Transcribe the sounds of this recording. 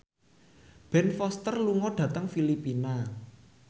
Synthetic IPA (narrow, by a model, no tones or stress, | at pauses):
b̥ɛ̤nfɔst̪ərluŋɔɖ̥ä̤t̪əŋfilipina